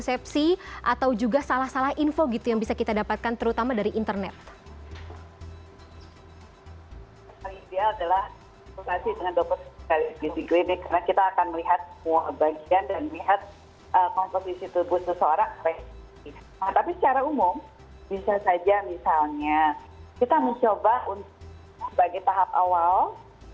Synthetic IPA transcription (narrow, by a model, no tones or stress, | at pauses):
sɛp̚siʔat̪awd͡ʒuɡasalahsalahinfoɡit̪ujaŋbisakit̪adapat̪̚kant̪əɾut̪amadaɾiʔint̪ərnɛt̪̚ | kaliidealadalah | pukasidəŋandopət̚kalidisiklinakaɾnakit̪aːkanməliɦat̪̚səmuabaɡiandanməliɦat̪̚ | ʔəkɔmposisit̪ubʊtsəsəoɾaŋpɛ | i | at̪apisə̥t͡ʃaɾaumʊm | bisasad͡ʒamisalɲa | kit̪aməɲt͡ʃobaunt̪ʊk | səbaɡajt̪aɦap̚a̰wal